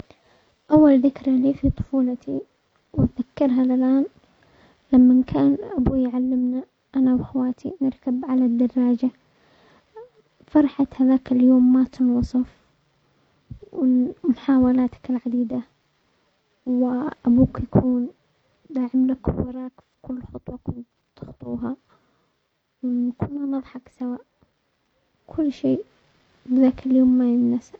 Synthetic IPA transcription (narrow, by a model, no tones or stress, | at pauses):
ʔawːalðɪkɾaliːfit̪ˤʊ̥fuːlɑt̪i | wɪt̪ðakːɑɾˤɦalɪlʔaːn | lamːankʰaːnʔabuːjʕalːɪmna | ʔanawhawaːt̪ʰinɪɾkabʕalad̪ːɑrˤːɑːd͡ʒa | fɑɾˤɑħat̪haðaːkɪljoːmːat̪ɪnwɑsˤɑf | wɪmʊħaːwalaːt̪ḁkɪlʕad̪iːd̪a | wʔabuːkjakʰuːn | d̪aːʕɪmlakwɑɾˤɑːkfi̥kʊlːxʊt̪ˤwɑkɪn | t̪ɪxt̪ˤṵːɦa | wnakuːnhanɑðˤħɑksawaːʔ | kʰʊlːʃeː | bɪðaːkɪljoːmːajɪnːasa